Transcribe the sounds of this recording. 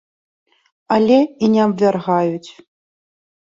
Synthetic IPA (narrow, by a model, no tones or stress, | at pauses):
alʲɛinʲɛɐbvʲarɣajut͡sʲ